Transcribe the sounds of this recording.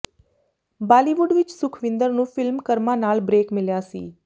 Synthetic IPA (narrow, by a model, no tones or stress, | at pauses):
baːliːʋʊɖʋɪt͡ʃsʊkʰʋɪ̃nd̪əɾnũːfʰɪlmkəɾmãːnaːlbɾeːkmɪljaːsḭː